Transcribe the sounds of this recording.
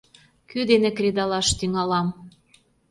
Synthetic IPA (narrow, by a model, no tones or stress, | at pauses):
kyd̪enekɾed̪ɑlɑʃt̪yŋɑlɑm